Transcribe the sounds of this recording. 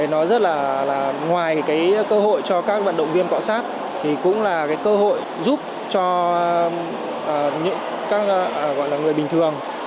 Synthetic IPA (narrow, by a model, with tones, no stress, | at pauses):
nɔ˨˦zə˦˥t̚laː˨˩laː˨˩ŋwaː˨˩jkaː˨˦jkəː˧ɦo̰˧˨jt͡ɕɔ˧kaː˦˥k̚va̰˧˨nɗə̰˧˨wŋ͡mvi˧ənkwa̰˧˨wsaː˦˥t̚ | t̪ʰi˨˩kʊ̰˧˥ŋ͡mlaː˨˩kaː˨˦jkəː˧ɦo̰˧˨j | zu˦˥p̚ | t͡ɕɔ˧ | ʔəː˨˩ɲɨ̰˧˥ŋ | kaː˦˥k̚ːɣɔ̰˧˨jlaː˨˩ŋɨ˨˩əjɓï˨˩ŋ̟t̪ʰɨ˨˩əŋ